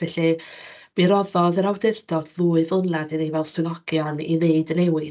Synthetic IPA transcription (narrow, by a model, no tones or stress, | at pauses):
vɛɬib̥iɾɔðɔðəɾawdɪrdɔd̥ðuːɨvənaðɨnejvɛlˠswɨðɔɡ̥jɔnineɨdənɛwɨ